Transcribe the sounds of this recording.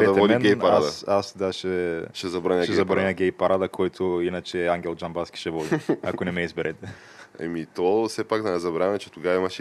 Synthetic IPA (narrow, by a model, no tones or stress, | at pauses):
ɛvɛɔdmɛnɡjaɾasasd̪aʃɛʃɛzɐbɾanʲaʃɛzɐbɾɐnʲaɡʲɛjpɐɾad̪ɐkʰɔjt̪ʰoinɐt͡ʃɛːaŋɡʲɛlˠd͡ʒanbaskʲi̥ʃɛvɔd̪iakonɛmɛizbɛɾɛt̪ɛ | ɛ̰mit̪ɔsɛpaɡd̪ɐnɛzɐbɾamɛt͡ʃɛ̥t̪oɡavɐimɐʃɛ